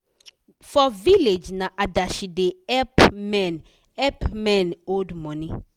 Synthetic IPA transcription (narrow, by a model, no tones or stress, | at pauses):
fɔviled͡ʒnaʔadaʃideɛpmɛ̃n | ɛpmɛ̃nodmɔ̃ni